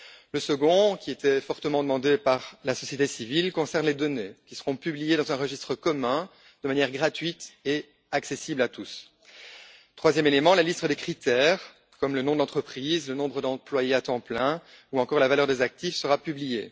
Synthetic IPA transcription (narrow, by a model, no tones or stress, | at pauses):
ləsəɡɔ̃kʲiet̪ɛfɔʁt̪əmɑ̃d̪əmɑ̃d̪epaʁlasɔsjet̪esivilkɔ̃sɛʁnled̪ɔnekʲi̥səʁɔ̃pyblijed̪ɑ̃zɛ̃ʁəʒist̪χəkɔmɛ̃ | d̪̥əmanjɛʁɡʁat̪ɥit̪e | aksesiblat̪us | t̪χwazjɛmelemɑ̃lalist̪əd̪ekχit̪ɛːʁ | kɔmlənɔ̃d̪ɑ̃t̪χəpχiːzlənɔ̃bʁəd̪ɑ̃plwajeat̪ɑ̃plɛ̃ | uɑ̃kɔʁlavalœʁd̪ezak̚t̪ifsəʁapyblije